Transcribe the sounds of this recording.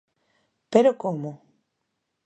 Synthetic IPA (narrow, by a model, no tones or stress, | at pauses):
peɾokomo